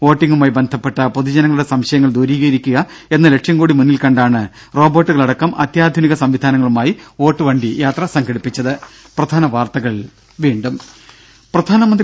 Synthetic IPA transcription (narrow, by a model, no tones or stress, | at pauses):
ʋo̞ːʈːiŋɡumaːjbe̞nd̪ʱɐpːe̞ʈːɐpoðud͡ʑɐnɐŋːɭuɽe̞sɐmɕɐjɐŋːɐɭd̪uːɾiːɣɐɾikʲːuɣɐ | e̞nːɐle̞kʂjɐmkuːɽimunːilkɐɳɖaːɳɨ | ro̞ːbo̞ːʈːuɣɐɭɐɽɐkːɐmʔɐt̪jaːd̪ʱuniɣɐsɐmʋid̪ʱaːnɐŋːɐɭumaːjio̞ːʈːɨʋɐɳɖijaːt̪rɐsɐŋɡɐɽipːit͡ɕːɐðɨ | prɐd̪ʱaːnɐʋaːrt̪ɐɣɐɭ | ʋiːɳɖum | prɐd̪ʱaːnɐmɐnd̪